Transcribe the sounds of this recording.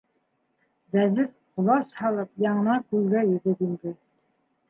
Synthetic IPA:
ðæzɘf | qŏlˠɑshɑlˠɤpjɑɴɤ̆nɑkʉlɡæjɵ̆ðɘp̪ind̪ɘ

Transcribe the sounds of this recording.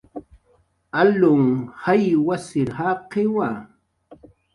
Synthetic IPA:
alʊŋhajwasɪɾhaqɪwa

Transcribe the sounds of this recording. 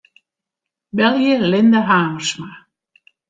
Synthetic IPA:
bɛljəlɪnd̪aɦaːməɾsma

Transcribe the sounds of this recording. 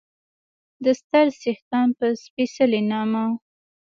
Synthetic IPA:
d̪əst̪əɾsext̪ɑnpəspisəlenɑma

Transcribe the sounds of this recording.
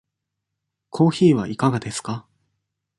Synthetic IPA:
kʰo̞ːçiːβa̰ʔikaɡad̪e̞sɨ̥ka

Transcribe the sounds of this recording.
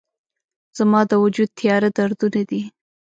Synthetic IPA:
z̥amɑd̪əwad͡ʒud̪̚t̪ʰɪjɑɾad̪aɾd̪unad̪i

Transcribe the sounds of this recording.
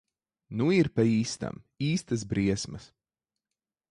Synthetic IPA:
nuiɾpaiːst̪a̰m | iːst̪asbɾiɛsmɐs

